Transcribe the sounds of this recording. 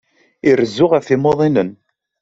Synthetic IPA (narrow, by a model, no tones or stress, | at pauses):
iɾəzːʊʁəfimoðˤinən